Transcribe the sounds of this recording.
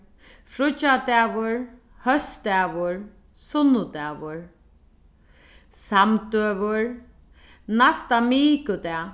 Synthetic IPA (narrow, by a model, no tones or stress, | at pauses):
fɾʊt͡ʃat̪ɛːʋʊɹ | hœst̪ɛːʋʊɹ | sʊnʊt̪ɛːʋʊɹ | samt̪øːvʊɹ | nast̪amiːkʊt̪ɛː